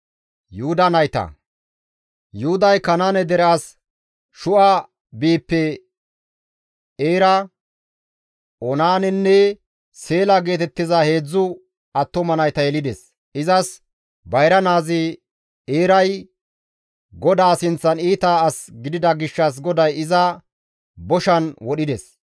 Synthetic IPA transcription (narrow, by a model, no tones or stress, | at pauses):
jʊhʊd̪ɐnɐjt̪ɐ̰ | jʊhʊd̪ɐjkɐnaːnɛd̪ɛɾɛɐs | ʃʊʔa | biːpːɛ | eːɾɐ | ɔnaːnɛnːɛ | se̞ːlaɡe̞ːt̪ɛt̪ːɪzɐhe̞ːd͡zːʊ | ɐt̪ːɔmɐnɐjt̪ɐjɛlɪd̪ɛs | ʔɪzɐs | bɐjɾɐnaːzɪ | eːɾɐj | ɡɔd̪aːsɪnt͡sːɐniːt̪aːsɡɪd̪ɪd̪ɐɡɪʃːɐs̬ɡɔd̪ɐjɪzɐ | bɔʃɐnwɔɗɪd̪ɛs